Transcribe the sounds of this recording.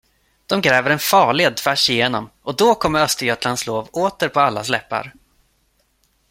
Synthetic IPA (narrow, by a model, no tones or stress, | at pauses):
d̪̥ɔmɡɾɛːvəɾɛnfɑːɭɪd̪fæʂɪjeːnɔmʔɔd̪ɔkʰɔmːəɾœst̪əɾjœt̪lansloːvoːt̪əɾpʰɔalːaslɛpːa̰ɾ